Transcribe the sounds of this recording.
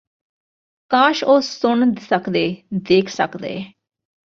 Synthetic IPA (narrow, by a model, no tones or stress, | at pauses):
kãːʃoːsʊɳsəkd̪eːd̪eːkʰsə̰kd̪ḛː